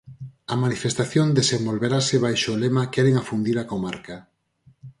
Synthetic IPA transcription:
ɐmanifest̪aθjond̪esembolβeɾaseβ̞ajʃoːlemakɛɾeŋafund̪iɾakomaɾka

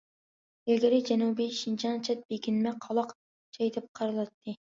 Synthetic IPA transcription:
eɡʲɪɾɪd͡ʒɛnubiʃint͡ʃʰɑnt͡ʃʰɛt̪̚b̥eɡʲinmɛqʰɑlˠɑq | t͡ʃʰɑjt̪ʰɪp̚qʰɑɾɨlˠɑt̪ʰːɨ

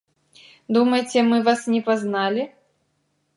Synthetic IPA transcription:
d̪umɐjt͡sʲɛmɨvasnʲɛpaznalʲi

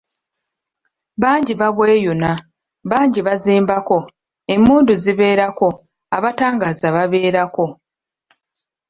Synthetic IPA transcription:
βaːɲɟiβaβwe̞ːjuna | βaːɲɟiβaziːmbako̞ | e̞muːnduziβe̞ːɾako̞ | aβataːŋɡaːzaβaβe̞ːɾako̞

